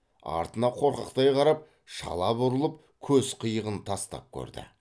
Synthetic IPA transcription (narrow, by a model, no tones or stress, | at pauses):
ɑ̰ɾt̪ənɑqʰo̞ɾqɑ̰qt̪ɑjqʰɑɾɑp̚ | ʃɑ̰lˠɑbʊɾəlˠəp | kʲʰɵzqʰəjəʁənt̪ʰɑst̪ɑ̰p̚kʲʰɵ̰ɾd̪ɪ̰